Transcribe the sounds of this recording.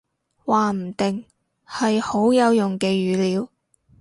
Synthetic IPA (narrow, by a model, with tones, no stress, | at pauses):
waː˨˩m̩˨˩t̪ɪ˨ŋ | hɐ˨jho˨˥wjɐ˨˧wjʊ˨˩ŋke˧ɥyː˨˧liː˨˥w